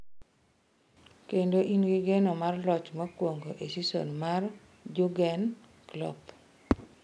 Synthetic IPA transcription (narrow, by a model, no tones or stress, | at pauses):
kendoʔinɡiɡenomarlɔt͡ʃmɔkwoŋɡoʔesiso̰nmar | d͡ʒʊɡɛn | klɔ̰p